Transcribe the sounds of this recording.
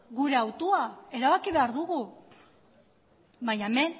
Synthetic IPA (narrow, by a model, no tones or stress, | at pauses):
ɣuɾe̞awt̪oae̞ɾaβakiβe̞aɾðuɣu | baɲame̞n